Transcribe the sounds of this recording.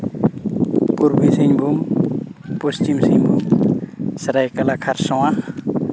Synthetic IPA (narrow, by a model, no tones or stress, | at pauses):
puɾbisiɲbʱum | pust͡ʃimsiɲbʱum | saɾajkalakʰaɾsɔwa